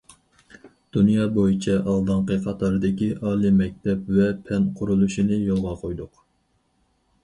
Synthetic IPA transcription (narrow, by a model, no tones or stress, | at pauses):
d̪̥unjɑːbojit͡ʃʰɛʔɑlˠd̪ɨŋqəqʰɑt̪ʰɑɾɨd̪ɪkʲiʔɑːlˠimɛk̚ʲt̪ʰɛpvɛpʰɛnqʰʊɾulˠuʃinɨjolˠʁɑqʰojd̪ʊq